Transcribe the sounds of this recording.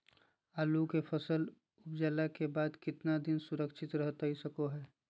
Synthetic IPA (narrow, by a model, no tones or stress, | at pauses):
aːlukepʰəsəl | ʊpd͡ʒaːlakebaːd̪kɪt̪nad̪ɪnsʊɾəkʃʰɪt̪ɾəɦt̪aɦisɐkoɦɛː